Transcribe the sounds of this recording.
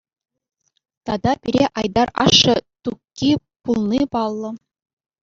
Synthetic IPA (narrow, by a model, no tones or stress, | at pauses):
t̪ɑd̪ɑpʲiɾʲeʔɑjd̪ɑrɑ̰ʂːɤ̆t̪ukʲːi | pulˠnʲipɑlˠːɤ̆